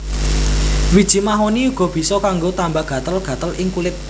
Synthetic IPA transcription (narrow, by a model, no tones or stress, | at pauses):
wid̥ʒ̥i̤maɦoniuɡ̥ɔ̤b̥i̤sɔkaŋɡot̪ambaɡ̥ä̤t̪əlɡ̥ä̤t̪əlʔɪŋkulɪt̪̚